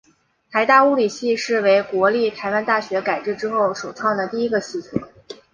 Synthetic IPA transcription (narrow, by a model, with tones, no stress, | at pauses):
t̪ʰa˧˥ɪt̪a˥˩u˥li˨˩ɕi˥˧ʂɻ̩˥˩we˧˥ɪkwɔ˧˥li˥˩t̪ʰa˧˥ɪwa˥nt̪a˥˩ɕɥɛ˧˥ka˨˩ɪʈ͡ʂɻ̩˥˩ʈ͡ʂɻ̩˥xo˥˩ʊʂo˨˩ʊʈ͡ʂʰwɑ˥˩ŋd̪ə˩t̪i˥˩i˥ɡə˧ɕi˥˩t͡sʰɔ̰˨˧˩